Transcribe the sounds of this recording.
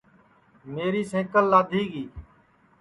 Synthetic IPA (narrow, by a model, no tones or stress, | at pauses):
meːɾiːsẽːkəlːaːd̪ʱiːɡiː